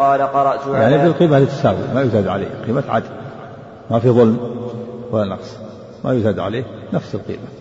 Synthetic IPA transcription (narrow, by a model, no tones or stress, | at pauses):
ɑːlaqɑɾˤɑʔt̪jaʕnibəlqiːmalɪt̪ːḁsaːwɪ̰lmajʊzad̪ʕa̰lḛːhqiːmat̪ʕa̰d̪i | mafiðˤʊlmwalːanɑqsˤ | majʊzad̪ʕa̰leːhnafsəlqḭːma